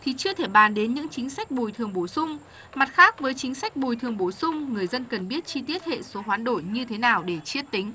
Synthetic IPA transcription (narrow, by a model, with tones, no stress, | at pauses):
t̪ʰi˨˩t͡ɕɨ˧ət̪ʰe˧˩ɓaː˨˩nɗe˨˦nɲɨ̰˧˥ŋt͡ɕï˨˦ŋ̟sa˦˥k̟̚ɓu˨˩jt̪ʰɨ˨˩əŋɓo˧˩sʊ˧ŋ͡m | ma˨˩t̚xaː˦˥k̚vəː˨˦jt͡ɕï˨˦ŋ̟sa˦˥k̟̚ɓu˨˩jt̪ʰɨ˨˩əŋɓo˧˩sʊ˧ŋ͡mŋɨ˨˩əjzə˧nkə˨˩nɓi˦˥ət̚t͡ɕi˧t̪i˦˥ət̚hḛ˧˨so˨˦ɦwaː˨˦nɗo˧˩jɲɨ˧t̪ʰe˨˦naː˨˩wɗe˧˩t͡ɕi˦˥ət̚t̪ï˨˦ŋ̟